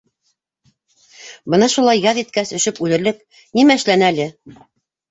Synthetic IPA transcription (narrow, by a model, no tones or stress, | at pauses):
bɤnɑʃulˠɑjːɑðit̪kæsɵ̆ʃɘpʉlɘ̆ɾlɘk | nimæɘ̆ʃlænælɘ